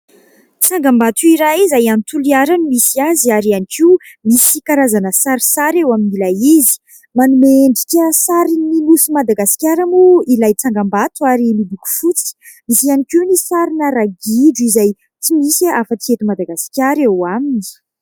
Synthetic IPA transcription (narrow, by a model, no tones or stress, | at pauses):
t͡saŋɡambat̪uiɾaizajant̪uliaɾanimisiaziaɾianikʰimisikaɾazanəsaɾisaɾewaminilajizi̥ | manumeɳɖ͡ʐi̥kʲəsaɾininusumad̪aɡasi̥kʲaɾamuilajt͡saŋɡambat̪uaɾimid̪ikʲu̥fut͡si̥ | misianikiunisaɾinəɾaɡiɖ͡ʐuizaj | t͡simisafət͡siet̪umad̪aɡasi̥kʲjaɾewamini̥